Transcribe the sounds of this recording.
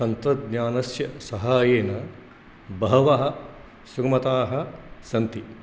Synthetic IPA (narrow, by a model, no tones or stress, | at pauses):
sɐnt̪ɾɐd̪ɲaːnɐsjɐsɐɦaːjeːnɐ | bɐɦɐʋɐɦɐ̆ | suɡmɐt̪aːɦɐ̆sɐnt̪i